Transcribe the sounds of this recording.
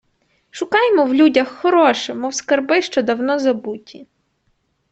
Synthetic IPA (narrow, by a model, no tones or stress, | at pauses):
ʃʊkɑjmɔwlʲudʲɐxːɔɾɔʃɛmɔwskɐrbɪʃt͡ʃɔd̪ɐwnɔzɐbutʲʰi